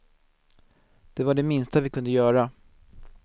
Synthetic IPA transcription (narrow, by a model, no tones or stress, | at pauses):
d̪̥ɛvaɖɛmɪnst̪avɪkʰɵnd̪əjœːɾa